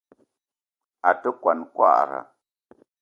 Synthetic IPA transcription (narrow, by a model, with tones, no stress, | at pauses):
a˨tə˦kwa˨nkʷa̰˦˨ɾa̰˨